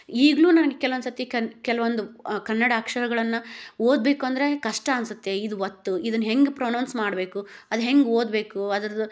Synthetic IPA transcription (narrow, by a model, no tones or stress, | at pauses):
iːɡluːnɐnɐɡekɛlɐʋond̪sɐt̪ikɐkɛlɐʋond̪ukɐnːɐɽɐːkʂɐɾɐɡɐɭɐnːɐoːd̪̚be̞ːkuɐnd̪ɐɾe̞kɐʂʈɐɐnsut̪ːe̞id̪uʋot̪ːuid̪ɐnːɦe̞ŋɡpɾoːnɐːnsmaːɽbe̞ːkuɐd̪uɦe̞ŋɡoːd̪be̞ːkuɐd̪ɐɾɐd̪u